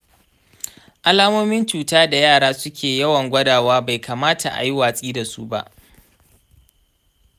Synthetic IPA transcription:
ʔa˦laː˦moː˦mɪ˦nt͡ʃuː˨taː˦da˨jaː˦˨ɽaː˦sʊ˦kʲʰeː˨jɐ˦wɐ˨ŋɡʷɐ˦daː˨waː˦ba˨jkʰaː˨maː˦ta˨ʔa̰˨ji˦waː˨sʼiː˦da˨su˦ba̰˦ʔ

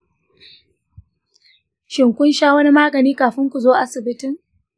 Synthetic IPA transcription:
ʃɪ˨ŋkʷʊ˦nʃaː˦wɐ˦ni˦maː˦ɡɐ˨niː˦kaː˨ɸɪ˦ŋkʷu˨zoː˦ʔa˦sɪ˨bɪ˦tɪ˦ŋ

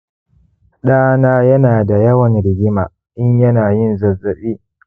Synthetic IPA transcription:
ɗaː˦naː˦jɐ˦naː˨da˨jɐ˦wɐ˨nɽɪ˨ɡʲɪ˦ma̰ː˨ | ʔɪ˦ɲjɐ˦naː˨jɪ˦nzɐ˨zːɐ˨ɓiː˦

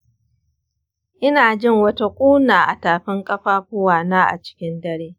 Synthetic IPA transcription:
ʔɪ˦naː˨d͡ʒɪ˦˨ŋwɐ˦ta˦kʷʼuː˦naː˨ʔa˨taː˨ɸɪ˦ŋkʼɐ˦ɸaː˦ɸʊ˦waː˨naː˦ʔa̰˨t͡ʃɪ̥˦kʲɪ˦ndɐ˦ɽeː˦

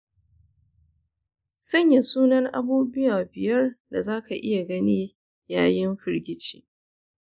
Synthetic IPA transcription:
sɐ˦ɲja˨suː˦nɐ˦ŋʔa˦buː˦bɪ˦jaː˨bɪ˨jɐ˦rda˨zaː˦ka˨ʔɪ˦ja˨ɡɐ˦niː˦ | jaː˦jɪ˦mɸɪ˦ɾɡʲɪ˦t͡ʃi̥̰ː˨

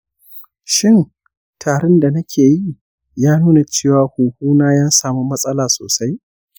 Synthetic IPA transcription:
ʃɪ˦n | tʰaː˨ɾɛ˦nda˨nɐ˦kʲʰeː˨ji˦ | jaː˦nuː˦na˨t͡ʃeː˦˨waː˨huː˨huː˦naː˦jaː˦saː˨mu˦mɐ˦sʼɐ˦laː˨so̰ː˨sa˦j

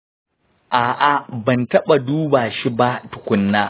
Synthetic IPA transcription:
ʔaː˨ʔa˨bɐ˨ntɐ˦ɓa˨duː˦baː˨ʃi˦ba˦tʊ˨kʷʊ˦nːaː˦

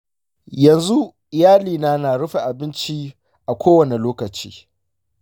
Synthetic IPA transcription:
jɐ˨nzu˦ | ɪ˨jaː˦liː˨naː˦naː˨ɽʊ˦ɸi˨ʔa˨bɪ˦nt͡ʃi˦ | ʔa˨kʷoː˦wɐ˨ne˨loː˦kɐ˨t͡ʃḭː˦

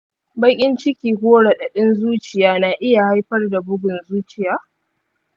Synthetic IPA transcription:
bɐ˦kʲʼɪ˦nt͡ʃɪ˦kʲiː˨ɡʷoː˦ɽa˨ɗɐ˨ɗɪ˦nzuː˦t͡ʃɪ˨jaː˦na˨ʔɪ˦ja˨ha˦jɸɐ˦rda˨bʊ˦ɡʷʊ˨nzuː˦t͡ʃɪ˨jaː˦

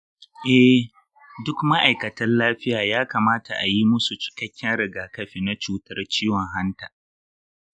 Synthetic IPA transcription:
ʔɛ˦ | dʊ˦kma˦ʔa˨jkɐ˨tɐ˦nlaː˦ɸɪ˦jaː˨jaː˦kaː˨maː˦ta˨ʔa˨ji˦mʊ˦su˨t͡ʃɪ̥˨kɐ˦kʲːɛ˦nɾɪ˨ɡaː˨kɐ˦ɸiː˨na˦t͡ʃuː˨tɐ˦rt͡ʃiː˦wɔ˨ŋɦa˦ntaː˨

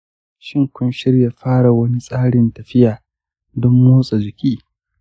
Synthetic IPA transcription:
ʃɪ˦˨ŋkʷʊ˦nʃɪ˦rja˨ɸaː˦ɽa˨wɐ˦ni˦sʼaː˦ɽɪ˨ntɐ˨ɸɪ˦jaː˨ | dɔ˦mːoː˦sʼa˨d͡ʒɪ˨kʲiː˦

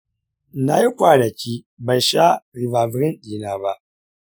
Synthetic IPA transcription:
na˦ji˦kʷaː˨nɐ˨kʲiː˦ | ba˨jʃa˦ɾɪ˨vaː˨vɾɪ˦nɗiː˨naː˦ba˦ʔ

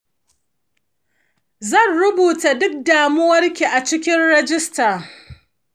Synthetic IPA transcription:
zɐ˦˨nɽʊ˦buː˨ta˨dʊ˦k̚daː˨mʊ˦wɐ˦rkʲi˨ʔa˨t͡ʃɪ˦kʲɪ˦nɽɛ˦d͡ʒɪ˦staː˨

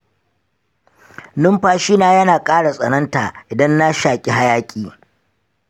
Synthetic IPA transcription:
nʊ˦mɸaː˦ʃiː˦naː˦jɐ˦naː˨kʼaː˦ɽa˨sʼɐ˨nɐ˦nta˨ʔɪ˨dɐ˦nːa˦ʃaː˨kʲʼi˨ɦa˦jaː˦kʲʼiː˨

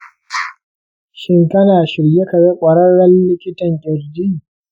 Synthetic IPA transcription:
ʃɪ˦ŋkɐ˦naː˨ʃɪ˨ɾje˦kɐ˨ɽe˦kʷʼɐ˨ɽɐ˦ɽɐ˦nlɪ˦kʲɪ˦tɐ˨ŋkʲʼɪ˨rd͡ʒi˦

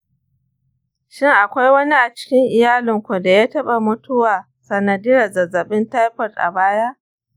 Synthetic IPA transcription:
ʃɪ˦ŋʔa˨kʷa˦jwɐ˦ni˦ʔa˨t͡ʃɪ̥˦kʲɪ˦ŋʔɪ˨jaː˦lɪ˨ŋkʷu˨da˨jaː˦tɐ˦ɓa˨mʊ˦tʊ˦waː˨ | sɐ˨nɐ˨diː˦jɐ˨zɐ˨zɐ˨ɓɪ˦nta˦jɸɐ˨tʔa̰˨baː˦ja˦ʔ

